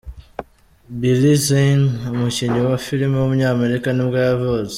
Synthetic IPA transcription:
bilizenmuʃɛɲɔwafilimiwamuɲamɛɾikanimɡajavɔz

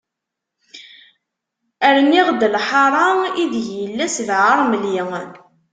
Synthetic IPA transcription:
æɾniʁd̪əlħɑɾˤɑiðʝəlːæsðʕəɾˤməljə

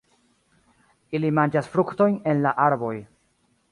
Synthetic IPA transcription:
ilimand͡ʒasfɾukto̞jne̞nlaʔaɾbo̞j

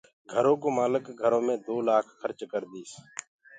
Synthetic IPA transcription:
ɡʱəɾõːkoːmaːləkɡʱəɾõːmẽːd̪oːlaːkʰxəɾt͡ʃkəɾd̪iːs

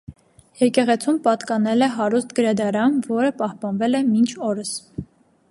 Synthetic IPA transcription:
jɛkɛʁɛt͡sʰumpɑt̪kɑnɛlɛɦɑɾust̪ɡəɾɑd̪ɑɾɑmvɔɾəpɑhpɑnvɛlɛmint͡ʃʰɔɾəs

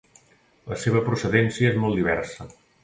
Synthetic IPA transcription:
ləseβ̞əpɾusəðensiəezmɔlˠd̪iβ̞ɛ̰rsə

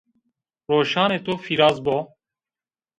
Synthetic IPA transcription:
ɾoːʃɑːneːt̪oːfiɾaːzboː

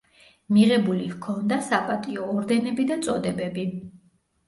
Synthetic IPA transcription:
miʁɛbulihkʰɔnd̪asapʼat̪ʼiɔːɾd̪ɛnɛbid̪ant̪sʼɔd̪ɛbɛbi

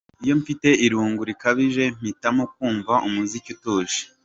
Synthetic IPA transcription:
ijo̞ɱfite̞iɾuːŋɡuɾikaβiʒe̞m̥itamok̚uːɱvaʔumuzicutoːʒi̥

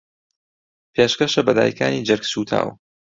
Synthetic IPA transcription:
pʰeːʃkɐʃɐbɐd̪a̰ːjkʰaːniːd͡ʒɐɾksuːt̪ʰa̰ːw

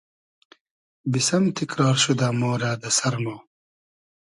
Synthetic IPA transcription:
bisɐmt̪ikɾɑːɾʃud̪aːmoːɾaːd̪ɐsɐɾmoː

